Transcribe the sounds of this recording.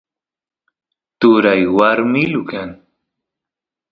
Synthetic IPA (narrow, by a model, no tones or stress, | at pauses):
t̪ʊɾajwaɾmɪlʊkaŋ